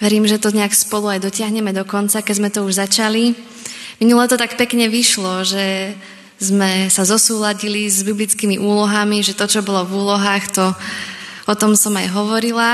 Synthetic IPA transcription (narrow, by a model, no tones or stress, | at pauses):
ʋɛɾiːmʒɛt̪ɔɲɛakspɔluajd̪ɔcɪaɦɲɛmɛd̪ɔkɔnt͡sakɛɟzmɛt̪ɔuʒzat͡ʃali | minulɛt̪ɔt̪akpɛkɲɛʋiʃlɔʒɛ | zmɛsazɔsuːlaɟilizbiblit͡skimiʔuːlɔɦamiʒɛt̪ɔt͡ʃɔbɔlɔvuːlɔɦaːxt̪ɔ | ɔt̪ɔmsɔmajɦɔʋɔɾila